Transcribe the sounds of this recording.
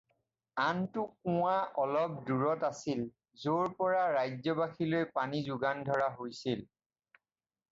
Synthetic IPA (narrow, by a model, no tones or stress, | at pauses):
antʊk̚ʊ̃waʔɔlɔp̚duɹɔtasil | zoɹpɔɹaɹajzɔbaxʰilojpanizʊɡandʱɔɹaɦojsil